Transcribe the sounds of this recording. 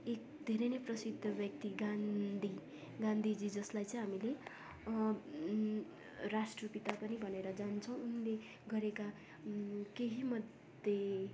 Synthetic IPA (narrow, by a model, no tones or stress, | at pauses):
ek̚ | d̪ʱeɾʌjnʌprʌsid̪ʱːʌbjʌk̚t̪iɡand̪ʱi | ɡãnd̪ʱid͡zid͡zʌslajt͡sʌ̃j̃ɦamile | rasʈrʌpit̪apʌnibʱʌneɾʌd͡zant͡sʰʌw̃unle | ɡʌɾeka | keɦimʌd̪ | je